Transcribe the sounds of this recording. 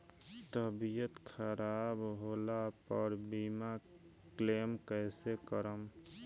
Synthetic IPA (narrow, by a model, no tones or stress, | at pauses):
t̪əbijət̪kʰəɾabɦolapəɾbima | klemkəɪsekəɾəm